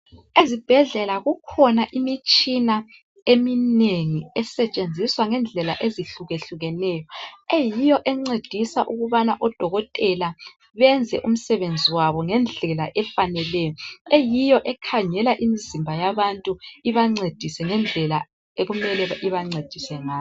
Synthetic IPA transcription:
ezib̥ʱɛɮɛlaɣukʰɔnaʔimit͡ʃʼina | emineŋiɛsɛt͡ʃʼend͡zʱiswaŋɛnd͡ɮʱɛlaʔeziɬuɣeɬuɣɛnɛjɔejijɔʔɛŋ͡ǀed̥ʱisaʔuɣuβanaʔɔd̥ʱɔɣɔtʼɛla | βɛnd͡zʱɛʔum̩sɛβend͡zʱiwaβɔŋɛnd͡ɮʱɛlaʔɛfanɛlɛjɔejijɔʔɛkʰaɲɛlaʔimizimbʱajaβantʼuiβaŋ͡ǀed̥ʱisɛŋɛnd͡ɮʱɛla | eɣumɛlɛiβaŋ͡ǀed̥ʱisɛŋaː

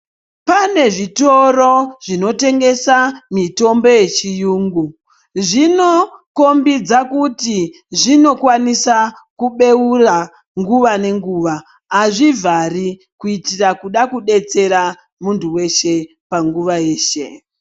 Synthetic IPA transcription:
pane̞ʐito̞ro̞ʐ̥ino̞te̞ŋɡe̞samito̞mbo̞je̞t͡ʃijuːŋɡu | ʐino̞ko̞mbid͡zakuti | ʐino̞kwanisa | kuɓe̞ura | ŋɡuʋane̞ŋɡuːʋaː | ʐivari | kuitirakuɗakuɗe̞t͡se̞ɾa | muntʰuwe̞ʃe̞ | paŋɡuʋaje̞ːʃe̞

